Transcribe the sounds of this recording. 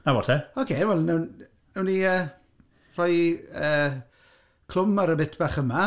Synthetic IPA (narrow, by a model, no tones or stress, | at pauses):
nawɔtʰɛokʰeːnvɛlˠnun | nuniəː | r̥ɔjəː | kʰl̥ˠʊmaɾəbɪtʰb̥aːχəma